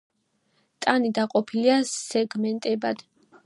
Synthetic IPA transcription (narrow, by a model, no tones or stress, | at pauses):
t̪ʼanid̪aqʼɔpʰiliasɛɡmɛnt̪ʼɛbad̪̥